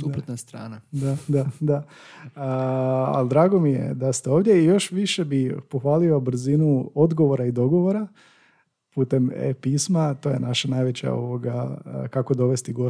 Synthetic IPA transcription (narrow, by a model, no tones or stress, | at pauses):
supɾot̪nast̪ɾa̰ːnad̪ad̪ad̪a | əa̰ld̪ɾaːɡo̞mijḛd̪ast̪eo̞ːʋd̪ʲje̞ijo̞ʃʋiʃe̞bipoxʋaːliobɾ̩zinuo̞d̪ɡo̞ʋo̞ɾaid̪o̞ɡo̞ʋo̞ɾa | puːt̪e̞mḛpiːsmat̪o̞je̞naʃanajʋe̞t͡ɕa̰o̰ʋoɡakako̞d̪o̞ʋe̞st̪iɡo